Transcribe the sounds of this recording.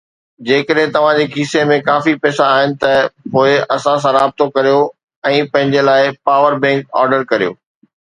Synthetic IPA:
d͡ʑeːkəɗɦɪ̃t̪ɐʋ̤ãd͡ʑeːkʰiːsemẽkaːfipɛːsaːɦɪnɪ̆t̪ɐpoːɪɐsãs̬ãɾaːb̚t̪okɐɾijo | ɛ̃ːpɐ̃ɦɪ̃ɲd͡ʑelaːɪpaːʋəɾbɛ̃ːŋkɔ̰ːɾɖəɾkɐɾijo̰ː

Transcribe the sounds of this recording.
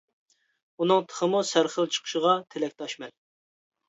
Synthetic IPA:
unɨŋt̪ʰə̥χəmusæɾχəlˠt͡ʃʰə̥qʰʊ̥ʃəʁɑt̪ʰelɛk̚ʲt̪ʰɑʃmɛl

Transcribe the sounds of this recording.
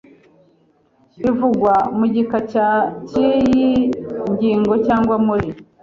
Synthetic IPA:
ivuɡwamuɟikacacijjiɲɟiːŋɡo̞caːŋɡwamuɾi

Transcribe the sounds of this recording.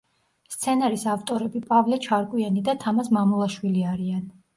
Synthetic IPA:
st̪sʰɛnaɾisaft̪ʼɔɾɛbipʼavlɛt͡ʃʰaɾkʼwianid̪at̪ʰamasmamulˠaʃwiliaɾian

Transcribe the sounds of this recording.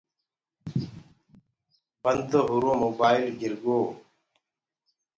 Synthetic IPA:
bənd̪oːɦʊɾõːmoːbaːɪlɡɪɾɡoː

